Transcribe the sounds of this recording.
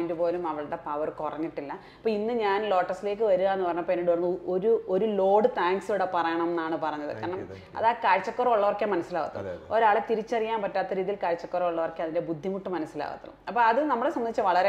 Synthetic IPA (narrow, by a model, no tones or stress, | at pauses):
ndɨpo̞ːlumɐʋɐɭɨɽe̞pɐʋɐrkurɐ̰ɲːiʈːilːɐ | ɐpːoːinːɨɲaːnlo̞ːʈːɐrsile̞ːk̬ːɨʋɐɾuɣaenːɨpɐrɐɲːɐpenːiɽɨɐnoɾuo̞ɾulo̞ːɽɨt̪aːŋɡsuɽepɐrɐjɐɳɐmenːaːɳɨpɐrɐɲːɐðɨ̰kɐɳɐm | ɐ̰ðaːkaːɻt͡ɕːɐkːurɐuɭːɐʋɐrkjaːmɐnɐsːilaːɣɐt̪ːɐ̰oɾaːɭet̪iɾit͡ɕːɐrijaːnpɐtːaːt̪ːɐɾiːðilkaːɻt͡ɕːɐkːurɐuɭːɐʋɐrkːeɐðinde̞bud̪ʱːimuʈːɨmɐnɐsːila̰ːɣɐ̰t̪ːɐðṵmɐpːoːɐðɨnɐmːɐɭesɐmɐit͡ɕːɨʋɐɭɐɾe